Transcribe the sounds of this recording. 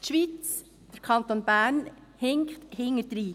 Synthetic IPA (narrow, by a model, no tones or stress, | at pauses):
t̪ʃʋit͡s | d̥əɾkʰɑntonb̥æːɾnhɪŋkthɪŋːəɾd̥̪ɾiː